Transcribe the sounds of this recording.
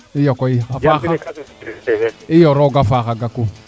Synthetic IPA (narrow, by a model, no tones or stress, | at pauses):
ijɔkɔiafaɣa | ɪjɔɾɔɡafakaɡako